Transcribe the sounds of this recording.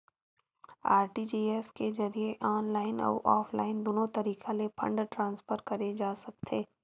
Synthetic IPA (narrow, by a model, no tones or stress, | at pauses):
a̰ːɾʈid͡ʒiːeskezɐɾieʔɔːnlaːɪnɐ̰ːʔɔːfʰla̰ːɪnd̪oːnõt̪ɐɾiːkalepʰɐ̰̃ɳɖʈɾãːnsfəɾkɐɾed͡ʒaːsɐk̚t̪ʰeː